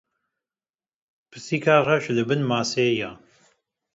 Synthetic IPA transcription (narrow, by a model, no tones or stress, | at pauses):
pʰɨsiːkʰaːraʃlɨbɨnmaːseːjaː